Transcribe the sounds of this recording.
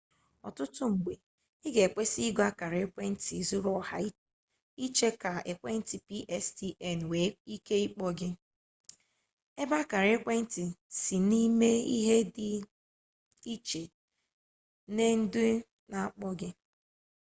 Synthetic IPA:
ɔ˨tʊ˦tʊ˦ŋ͡m̩˨ɡ͡be˨ | ɪ˦ɡe˨e˨k͡pʷe˦si˦i˦ɡa˦ka˨ɾkʷe˦n̩˦ti˨zu˦ɾɔ˦˨ha˨i˦ | i˦t͡ʃe˦ka˨e˨kʷe˦n̩˦ti˨pi˦ʔɛ˦sti˦ɛ˦˨n˨we˨i˦ke˦i˦k͡pɔ˦ɡɪ˦ | e˦ba˦ka˨ɾe˦kʷe˦n̩˦ti˨si˨ni˦me˦ḭ˦ɦe˦dɪ˦ | i˦t͡ʃe˨ | ne˦n̩˦dʊ˦ | na˨a˦k͡pɔ˦ɡɪ˦

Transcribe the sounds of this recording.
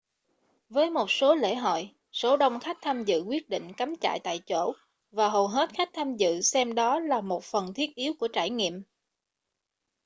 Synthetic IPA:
vəː˨˦jmo˨˩t̚so˨˦lḛ˧˥ɦo̰˧˨j | so˨˦ɗə˧wŋ͡mxa˦˥jk̚t̪ʰaː˧mzɨ̰˧˨kwi˦˥ət̚ɗḭ˧˨ŋ̟ka˨˦mt͡ɕa̰ː˧˨jt̪a̰ː˧˨jt͡ɕo̰˧˩˨ | vaː˨˩ɦo˨˩ɦe˦˥t̚xa˦˥jk̟̚t̪ʰaː˧mzɨ̰˧˨sɛ˧mɗɔ˨˦laː˨˩mo˨˩t̚fə˨˩nt̪ʰi˦˥ət̚ʔi˨˦əwku˧˩ət͡ɕaː˧˩jŋḭ˧˨əm

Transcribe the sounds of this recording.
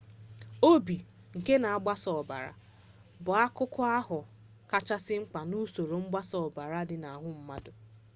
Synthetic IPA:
o˦bi˨ | ŋ̩˨ke˦na˨a˦ɡ͡ba˦sɔ˨ba̰˨ɾa̰˨ | bʊ˨a˦kʊ˦kʊ˦a˦ɦʊ˨ | ka˦t͡ʃa˦sɪ˦ŋ͡m̩˦k͡pa˨nu˦so˨ɾo˨ŋ͡m̩˦ɡ͡ba˦sɔ˨ba˨ɾa˦dɪ˨na˨ɦʊ˦m̩˦ma˦dʊ˨

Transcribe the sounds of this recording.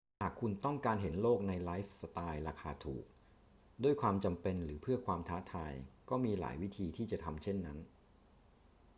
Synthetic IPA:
haː˨˩kʰu˧nt̪ɔ˥˩ŋkaː˧nɦe˩˦nloː˥˩k̚na˧jlaː˦˥jfsa˧t̪aː˧jɾaː˧kʰaː˧t̪ʰṵː˨˩k̚ | du˥˩əjkʰwaː˧mt͡ɕa˧mpe˧nɾɯː˩˦pʰɯ˥˩ɐkʰwaː˧mt̪ʰaː˦˥t̪ʰaː˧jkɔː˥˩miː˧la̰ː˩˦jwi˦˥t̪ʰiː˧t̪ʰiː˥˩t͡ɕa˨˩t̪ʰa˧mt͡ɕʰe˥˩nːa˦˥n

